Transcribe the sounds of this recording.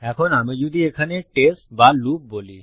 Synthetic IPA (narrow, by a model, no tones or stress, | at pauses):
ɛkʰonaːmed͡ʒud̪ʱiekʰaneʈesbalup̚boli